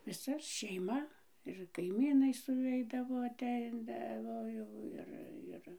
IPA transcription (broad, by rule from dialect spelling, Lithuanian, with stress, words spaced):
ʋʲɪˈsɐ ʃʲɛɪˈmɐ ɪr kɐɪˈmʲiːnɐɪ sʊˈʋʲɛɪdɐʋoː ɐˈtʲɛɪdɐʋoː ˈjɛʊ ˈɪr ˈɪr